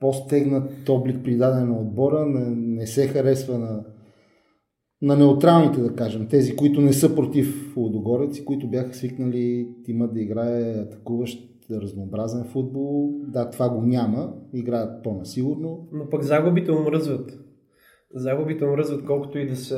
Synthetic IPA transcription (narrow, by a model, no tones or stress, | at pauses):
post̪ɛɡnət̪ɔblik̚pɾid̪ad̪ɛnɛnɐod̪̚bɔɾənɛnɛsɛxɐɾɛsvənɐ | nɐnɛʊt̪ɾalˠnit̪ɛd̪ɐkaʒɛmt̪ɛzikoit̪ʊnɛsɤpɾot̪iflod̪oɡɔɾɛt̪si̥koit̪ʊbjaxə̥sviknəlit̪iməd̪ɐiɡɾaɛɐt̪ɐ̥kuvəʃt̪ | ɾəznoːbɾazɛnfud̪̚bolˠd̪at̪ovaɡonʲaməiɡɾajət̪̚ponɐsiɡʊɾnonopɐkzaɡʊbit̪ɛʊmɾəzvət̪ | zaɡʊbit̪ɛʊmɾəzvət̪kɔlˠkʊ̥t̪ʊid̪ɐsə